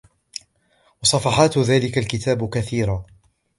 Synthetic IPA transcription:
wɑsˤɑfɑħɑːt̪ðaːlɪkalkɪt̪aːbkaθiːɾaː

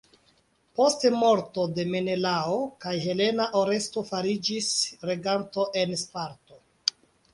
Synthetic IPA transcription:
po̞stmo̞ɾto̞de̞me̞ne̞laokajɦe̞le̞naʔo̞ɾe̞sto̞faɾid͡ʒisɾe̞ɡanto̞ʔe̞nspaɾto

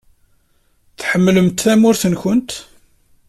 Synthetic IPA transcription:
θħəmːləmt̪θæmʊɾθənçənt̪

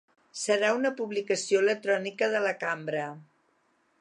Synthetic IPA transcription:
səɾaunəpuβlikəsioelək̚t̪ɾɔnikəðələkambɾə

